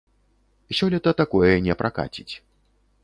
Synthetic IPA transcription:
sʲɔlʲɛt̪ɐt̪akɔjɛnʲɛpɾaka̰t͡sʲit͡sʲ

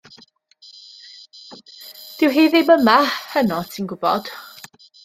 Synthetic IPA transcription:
d̥ɪwɦeːðɪməmahənɔtʰinɡʊbɔd̥

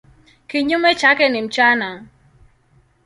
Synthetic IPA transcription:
kiɲumet͡ʃakenim̩t͡ʃanaŋ

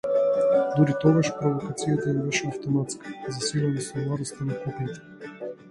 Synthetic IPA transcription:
d̪uɾit̪ɔɡaʃpɾovokat̪sijat̪anɛbɛʃɛɐft̪omat̪skʰḁzɐsilɛnisolˠaɾɔst̪ɛnakɔpit̪ɛ̥

